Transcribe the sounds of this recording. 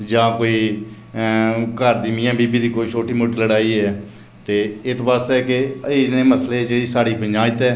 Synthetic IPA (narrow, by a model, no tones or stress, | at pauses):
d͡ʒãːkoːiː | kəɾd̪iːmɪ̃ːjãːbiːbiːd̪iːkoːiːt͡ʃoːʈiːmoʈiːləɽaːiːɛː | t̪eːɪt̪baːst̪ɛːkeiːneːməsleːd͡ʒeːɽiːsaːɽiːpəɲd͡ʒaːt̪ɛː